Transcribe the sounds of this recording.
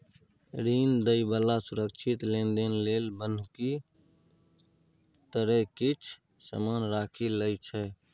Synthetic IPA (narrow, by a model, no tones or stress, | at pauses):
ɾiːnd̪əibəlasʊɾəkt͡ʃʰɪt̪lẽnd̪enleːlbənki | t̪əɾɛkit͡ʃʰ | sə̰mənɾaːkʰiləjt͡ʃʰɛː